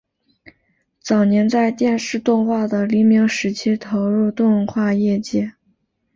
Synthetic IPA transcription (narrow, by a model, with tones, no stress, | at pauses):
t͡sɑ˨˩ʊnjɛ˧˥nt͡sa˥˧ɪt̪jɛ˥˧nʂɻ̩˥˧t̪ʊ˥˧ŋxwa˥˩d̪ə˩li˧˥mi˧˥ŋʂɻ̩˧˥t͡ɕʰi˥t̪ʰo˧˥ʊɻu˥˧t̪ʊ˥˧ŋə˧nxwa˥˧jɛ˥˧t͡ɕjɛ˥˩